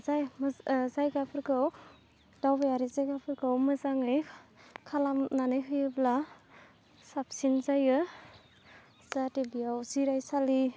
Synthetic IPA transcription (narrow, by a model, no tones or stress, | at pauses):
zajmzajɡapʰɯɾkɯw | d̥awbajaɾizajɡapʰɯɾkɯwmɯzaŋɯjkʰalamnanɯjɦɯjɯbla | sap̚sinzajɯ | zatebijawziɾajsali